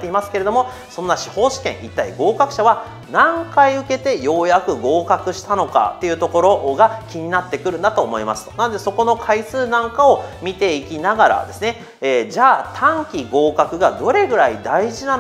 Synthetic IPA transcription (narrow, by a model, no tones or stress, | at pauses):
t̪ːe̞imasɨ̥keɾe̞d̪o̞mo̞ | sõ̞nːaɕi̥ho̞ːɕi̥kẽ̞it̪ːaḭɡo̞ːkakɯ̟̥ɕaβa | nãŋkaiɯ̟ke̞t̪e̞jo̞ːjakɯ̟ɡo̞ːkakɯ̟ɕi̥t̪ano̞ka̰t̪ːe̞jɯ̟ːt̪o̞ko̞ɾo̞ɡakʲiɲ̟inat̪ːe̞kɯ̟ɾɯ̟̃nd̪at̪o̞ːmo̞imasɨ̥t̪onand̪e̞so̞ko̞no̞kʰaisɨːnãŋkao̞mʲit̪e̞ikʲinaɡaɾa̰d̪e̞sɨne̞ | eːd͡ʑaːt̪ʰãŋkʲiɡo̞ːkakɯ̟ɡad̪o̞ɾe̞ɡɯ̟ɾaid̪aiʑina